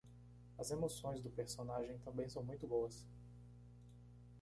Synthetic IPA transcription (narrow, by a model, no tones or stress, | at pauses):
ɐzemosõj̃zd̪ʊpeɾsonaʒẽj̃t̪ɐ̃mbẽj̃sɐ̃w̃mũj̃t̪ʊbowɐs